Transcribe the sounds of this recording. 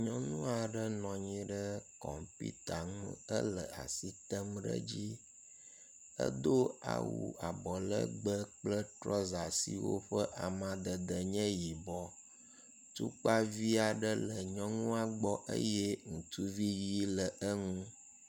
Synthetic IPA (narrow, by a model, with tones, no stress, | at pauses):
ɲɔ̃˦nũ˦a˨ɖə˦nɔ̃˨ɲĩ˦ɖə˦kɔ̰˨mpḭ˦t̪a˨ŋṵ̃˦ə˦lə˨a̰˨si˦t̪ə˦mɖə̰˦d͡ʑi˦ | ə̰˦d̪o˦a̰˨wṵ˨a˨bɔ˨lə̰˦ɡ͡bə˦k͡plə˦t̪ɾɔ˦za˨sḭ˨wo̰˦ɸə˦ʔa˨mã˦d̪ə˨d̪ə˨ɲɛ̃˦ji˨bɔ˨ | t̪ṵ˦k͡pa˦vi˦a˨ɖə˦lə˨ɲɔ̃˦ŋũ˦a˨ɡ͡bɔ˦ʔə̰˦jɛ˦ŋũ˨t̪u˦vi˦ji˦lə˨ʔə˦ŋũ˦